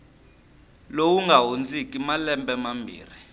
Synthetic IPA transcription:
lowuŋɡʱaɦund͡zikʼimalɛmbɛmambʱḭːri

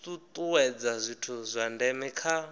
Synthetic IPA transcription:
t̪ʼut̪ʼuwɛd͡zazʷitʰuzʷandɛmɛkʰa

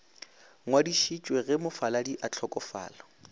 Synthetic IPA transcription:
ŋwadiʃit͡ʃʼweɣɛmʊfaladiʔat͡ɬʰɔkʼɔfa̰ːlɔ

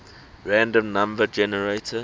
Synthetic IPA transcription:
ɹæ̃ndə̃mnãmbəd͡ʒɛnəɹeɪtʰə

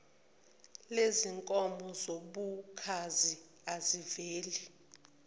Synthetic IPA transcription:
leziŋkʼɔmbʱɔzoɓukʰazi | aziveːli

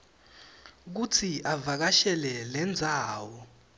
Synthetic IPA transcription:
k̬ut͡sʰiʔavak̬aʃɛlɛlɛnd͡zʱaːwɔ

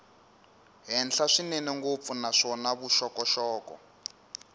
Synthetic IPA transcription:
ɦɛnɬaʂinɛniŋɡop̪funaʂɔnaβuʃɔkɔʃɔːkɔ̰

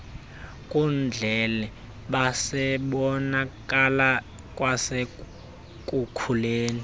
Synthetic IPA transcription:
kʼund͡ɮʱɛlɛ | ɓasɛɓɔnakʼala | kʼwase | kʼukʰuleːni

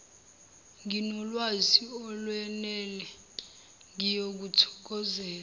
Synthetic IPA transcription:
ŋinɔlwaziɔlwɛnɛlɛ | ŋijok̬utʰɔ̥k̬ɔzɛːl

